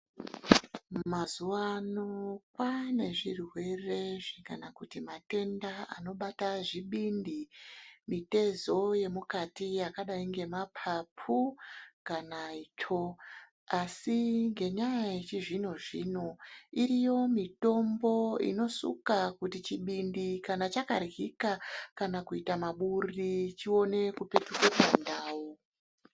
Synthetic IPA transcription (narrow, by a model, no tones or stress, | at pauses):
mazuwanokwane̞ʐirwe̞re̞ʐikanakutimate̞ndaa̰no̞ɓataʐiɓindimite̞zo̞je̞mukatijakaɗaiŋɡe̞mapʰapʰukanait͡ʃʰo̞ | asiŋɡe̞ɲajaet͡ʃiʐino̞ʐḭno̞iɾijo̞mito̞mbo̞ḭno̞sṵkakutit͡ʃiɓindikanat͡ʃakarɣikakanakuitamaɓurit͡ʃio̞ne̞kupe̞tukurwandaːwo